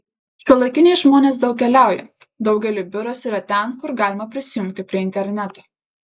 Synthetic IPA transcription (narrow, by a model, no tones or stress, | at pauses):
ʃʲuɔlˠɐɪkʲɪnʲeɛɪʒmoːnʲeːs̬d̪ɒʊkʲkʲɛlʲæˑʊjɛ̰ | d̪ɒʊɡʲɛlʲʊbʲʊɾosiːɾɐt̪ʲɛnkʊɾɡɑːlʲɪmɐpʲɾʲɪsʲɪjʊŋʲkʲt̪ʲɪpʲɾʲiɛɪnʲt̪ʲɛɾʲnʲæt̪oː